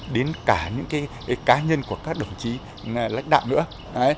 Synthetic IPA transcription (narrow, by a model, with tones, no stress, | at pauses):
ɗe˨˦nkaː˧˩ɲɨ̰˧˥ŋkaː˨˦jkaː˨˦ɲə˧nku˧˩əkaː˦˥k̚ɗə˨˩wŋ͡mt͡ɕi˨˦ | la̰˧˥ŋ̟ɗa̰ː˧˨wŋ͡mnɨ̰˧˥ə | ʔə˨˦j